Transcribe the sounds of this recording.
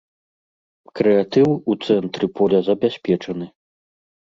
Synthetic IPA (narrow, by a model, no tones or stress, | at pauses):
kɾɛat̪ɨwut̪sɛnt̪ɾɨpʰɔlʲɐzɐbʲasʲpʲɛt͡ʂɐnɨ